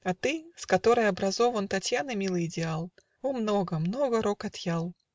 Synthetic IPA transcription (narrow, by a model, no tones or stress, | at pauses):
ɐt̪ɨskɐt̪o̞ɾəjɐbɾɐzo̞vənt̪ɐtʲjanɨmʲilˠəjɪdʲɪalˠ | omnoɡəmnoɡəɾokɐt̪jalˠ